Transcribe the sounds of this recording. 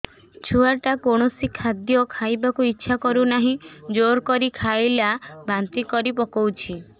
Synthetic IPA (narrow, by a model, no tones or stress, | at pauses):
t͡ʃʰuaʈakoɽ̃ɔsikʰad̪jɔkʰajbakuitːʃʰakɔɾunaɦĩd͡ʒoɾkɔɾikʰajlabant̪ikɔɾipɔkɔwt͡ʃʰi